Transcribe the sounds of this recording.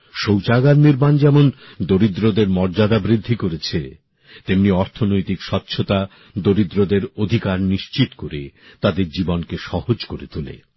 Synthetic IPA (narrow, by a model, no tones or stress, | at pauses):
ʃowt͡ɕaɡaɾniɾmand͡ʑɛmond̪oɾid̪ɾod̪eɾmɔɾd͡ʑad̪abɾid̪ʱːikoɾet͡ɕʰe | t̪emniɔɾt̪ʰonojt̪ikʃɔt̪ːɕʰot̪a | d̪oɾid̪ɾod̪eɾod̪ʱikaɾniʃt͡ɕit̪koɾḛt̪ad̪eɾd͡ʑibonkeʃɔhod͡ʑkoɾet̪ulḛ